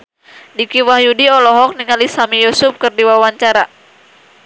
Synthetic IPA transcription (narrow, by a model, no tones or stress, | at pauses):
dikiwahjudiɔlɔɦɔk̚niŋalisamijusup̚kɨrdiwawaɲt͡ʃaɾa